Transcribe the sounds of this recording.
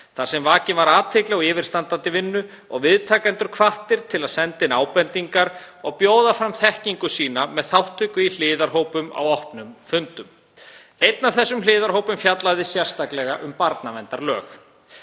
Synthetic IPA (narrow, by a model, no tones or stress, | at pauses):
θaɾ̥sɛmvaːcɪnvaɾaːt̪ʰɪklɛɣaɪːvɪɾst̪ant̪ant̪ɪvɪnːʏ | ɔɣvɪðt̪ʰaːkɛnt̪ʏɾ̥kʰvaht̪ɪɾ̥t̪ʰɪlaðsɛnt̪ɪnaːwpɛnt̪iŋkaɾ | ɔɣpjoːwðafɾamθɛhciŋkʏsiːnamɛðθawht̪ʰʏkʏil̥ɪːðaɾ̥ɦoːwpʏma̰wɔhpnʏmfʏnt̪ʏm | ejt̪nav̥θɛsːʏmlɪːðaɾ̥ɦowpʏmfjat̪laɣðɪsjɛr̥st̪aklɛɣaʔʏmpaɾt̪navɛnt̪aɾlœːx